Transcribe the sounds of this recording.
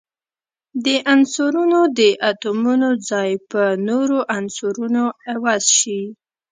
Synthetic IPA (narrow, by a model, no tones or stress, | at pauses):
d̪əʔansuɾunod̪əʔat̪omunod͡zɑjpənoɾoʔansuɾunoawɑzʃi